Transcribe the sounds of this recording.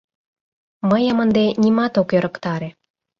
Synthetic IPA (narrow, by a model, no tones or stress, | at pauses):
məjəmə̆nd̪enʲimɑt̪okjɤ̆ɾɤ̆kt̪ɑɾe